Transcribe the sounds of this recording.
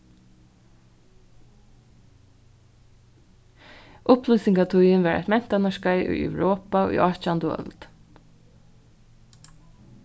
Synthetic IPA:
ʔʊplusɪŋkat̪ʰʊjɪnʋɛɹa̰jt̪mɛn̥t̪anaʃkajʔʊ̰jɛ̰wɹoːpaṵʔɔt͡ʃand̪ʊœ̰lt̪

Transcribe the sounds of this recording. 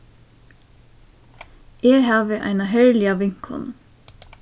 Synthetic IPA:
eːɡhɑːʋəʔæ̰ɪnɑhœɹlɪɑʋɪŋkhɔ̰n

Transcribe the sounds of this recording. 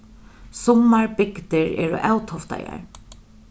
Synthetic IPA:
sɔmːaɹbɪkt̪ɪɹɛ̰ːɹʊ̰ʔawt̪ʰɔft̪a̰ja̰ɹ

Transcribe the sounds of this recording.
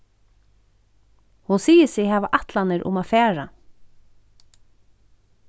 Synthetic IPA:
hʊnsiːjɪsɪɣhɛːʋaʔaht̪lanɪɾʔʊ̰mafɛːɹa

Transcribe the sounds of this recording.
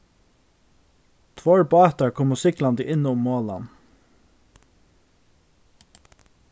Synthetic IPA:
t̪ʰʋoːɹbɑːt̪ɑɹkʰɔmʊsɪklɑnd̪ɪʔɪnʊmːoːlɑ̰n

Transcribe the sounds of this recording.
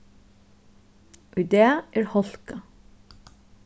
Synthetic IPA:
ʔʉd̪eːɑʔæːɹhɔlkɑ

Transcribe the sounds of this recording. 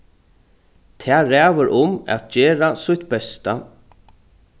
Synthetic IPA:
t̪ʰɛːɾæːʋəɾʔʊmɛ̰t̪̚d͡ʒɛːɾasʊht̪bɛst̪a

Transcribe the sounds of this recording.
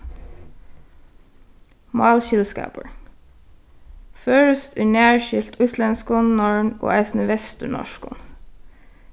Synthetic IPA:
mɑːlçɪlskɑ̰ːpəɹ | føːɹəst̪ʰʉːɳæːɹʃɪlt̪ʰʉslɛnskʊnnɔɹɳo̰ːæɪsn̩əʋɛst̪əɳɔ̰ʃkʊ̰n

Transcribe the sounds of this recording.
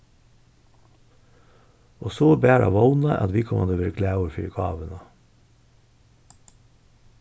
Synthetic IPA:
oːsoːbæːɾʔɑ̰ʋɑʊnɑʔɑ̰t̪ʋiːkʰɔmʔɑ̰nd̪øːʋəɾkʰlæəɾfy̰ːɡɑ̰ːʋənɑ

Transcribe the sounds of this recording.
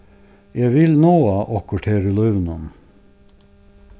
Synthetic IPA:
jæɪʋɪlnoːɑːʔɔkʊʈʰeːɾəlœʋnɑn

